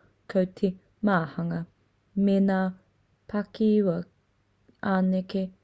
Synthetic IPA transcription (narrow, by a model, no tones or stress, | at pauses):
kʰɐwtʰe | maːhɐŋɐ | menaː | pʰakiwɐ | aːneke